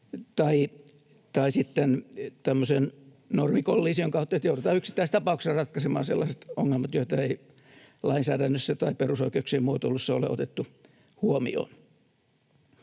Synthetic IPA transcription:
t̪ɑi | t̪ɑisit̪t̪ænt̪æmːosen | normikolːiːsioŋkɑut̪ːɑjot̪jouɾut̪ɑːyksi̥t̪ːæist̪ɑpɑuksesrɑt̪kɑsemɑ̰ːnsḛlːɑset̪oŋːelmɑt̪joit̪ɑei | lɑinsæːdænːøsːæt̪ɑiperusoikeuksiemmuot̪olːusːɑo̰lḛo̰t̪et̪ːu | huomḭo̰ːn

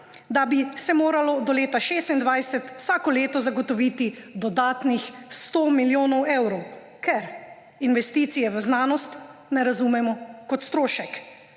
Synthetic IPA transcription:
d̪abisɛmoːɾalɔd̪ɔleːt̪aʃeːst̪ind̪ʋajsɛt̪wsaːkɔleːt̪ɔzaɡɔt̪ɔʋit̪id̪ɔd̪aːt̪nixst̪omiljoːnɔwewɾɔw | kʰɛɾ | inʋɛst̪iːt̪sijɛʋəznaːnɔst̪nɛɾazumɛmɔkɔt̪st̪ɾoːʃɛk

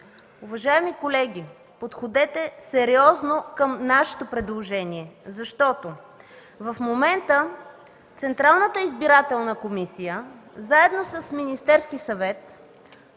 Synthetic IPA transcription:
uvɐʒaɛmikolɛɡʲi | pot̪xod̪ɛt̪ɛsɛɾiɔznokəmnaʃɛ̥t̪opɾɛd̪lˠoʒɛniɛzɐʃt̪ɔt̪o | vɐfmomɛnt̪ə | t̪sɛnt̪ɾalˠnət̪əizbiɾat̪ɛlˠnəkomisijəzaɛd̪nosəsminist̪ɛɾsk̟isɐvɛt̪

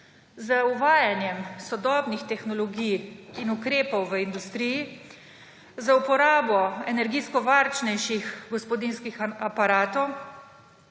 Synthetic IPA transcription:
zəuʋaːjanjɛmsɔd̪ɔːbnixt̪ɛxnɔlɔɡijinukɾeːpɔwʋəind̪ust̪ɾiji | zaupɔɾaːbɔɛnɛɾɡiːskɔʋaɾt͡ʃnɛjʃixɡɔspɔd̪inskixapaɾaːt̪ɔw

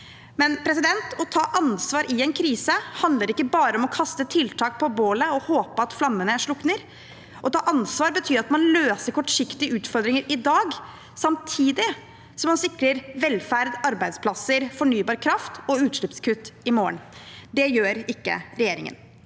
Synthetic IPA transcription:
mɛnpʰɾɛsɪd̪ɛnt̪ɔt̪ʰɑːʔɑnsʋɑːɾʔɪɛnkʰɾiːsəhɑnd̪ləɾɪkːəbɑːɾəɔmɔkʰɑst̪ət̪ʰɪlt̪ʰɑːk̚pʰɔboːləɔhoːpəɑt̪flɑmːənəæʂɭʊknəɾ | ʔɔt̪ʰɑːʔɑnsʋɑːɾbət̪ʰyːɾɑt̪mɑnløːsəɾkʰɔʈʂɪkt̪ɪəʉːt̪fɔɾd̪ɾɪŋəɾʔɪd̪ɑːɡ | sɑmt̪ʰiːd̪ɪ | sɔmɑnsɪkɾəɾʋɛlfæɾd̪ɑɾbæɪd̪spʰlɑsːəɾfɔɳyːbɑːɾkʰɾɑft̪ɔʉːt̪ʂlɪpskʰʉt̪ːɪmoːə̰ɳd̪ɛjøːɾɪkːə̰ɾɛjeːɾɪ̰ŋə̰n

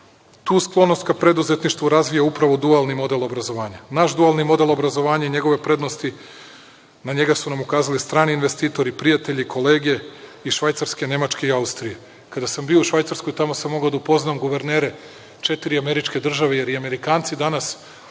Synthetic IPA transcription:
t̪uːsklˠo̞nost̪kapɾe̞d̪uzet̪niʃt̪ʋuɾazʋijaupɾaʋo̞d̪ualˠnimo̞d̪e̞lˠo̞bɾazo̞ʋaːɲanaʃd̪ualˠnimo̞d̪e̞lˠo̞bɾazo̞ʋaːɲaiɲeɡo̞ʋe̞pɾe̞d̪nost̪i | naɲe̞ɡasunamukaːzalist̪ɾaːniːnʋe̞st̪iːt̪o̞ɾipɾijat̪e̞ʎikʰo̞le̞ːɡe̞iʃʋajt̪saɾske̞ne̞mat͡ʃkeiaust̪ɾije̞ | kad̪asambiouʃʋajt̪saɾskojt̪amo̞samːo̞ɡaod̪aupo̞znamɡuʋe̞ɾne̞ːɾe | t͡ʃe̞t̪iɾiame̞ɾit͡ʃke̞d̪r̩ʒaʋeje̞ɾiame̞ɾikaːnt̪sid̪anas

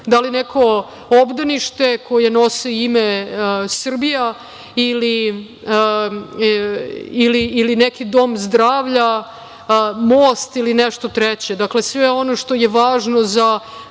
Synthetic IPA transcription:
d̪alinekʰo̞ | obd̪aniʃt̪e̞kʰo̞jeno̞seimesr̩bija | ili | iliːlinekid̪o̞mzd̪ɾaːʋʎa | moːst̪ilinɛʃt̪o̞t̪ɾɛt͡ɕed̪akle̞sʋeo̞no̞ʂt̪o̞jeʋaːʒno̞za

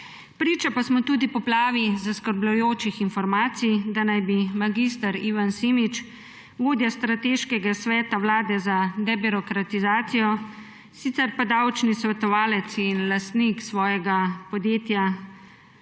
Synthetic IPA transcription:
pɾiːt͡ʃapasmɔt̪uːd̪ipɔplaːʋizaskəɾblujoːt͡ʃixinfɔɾmaːt̪sijd̪anajbimaɡist̪aɾiːʋansimit͡ʃ | ɡoːd̪jast̪ɾat̪eːʃkɛɡasʋɛːt̪awlaːd̪ɛzad̪ɛbiɾɔkɾat̪izaːt̪sijɔ | sit̪sɛɾpad̪awt͡ʃnisʋɛt̪ɔʋaːlɛt̪sinlast̪niksʋɔːjɛɡapɔd̪jeːt̪ja

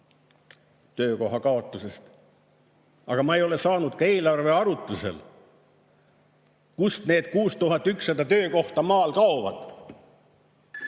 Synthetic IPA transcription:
t̪ø̞ːko̞ɦɑkɑo̞t̪ˑːuse̞st̪ | ɑɡ̥ɑmɑejo̞le̞sɑːnud̪̥kɑe̞ːlɑrve̞ɑɾut̪ːˑuse̞̰l | kust̪ne̞ːd̪̥kuːst̪uɦɑt̪ːˑyksɑd̪ɑt̪øːko̞ht̪ɑmɑːlkɑovɑd̪̥

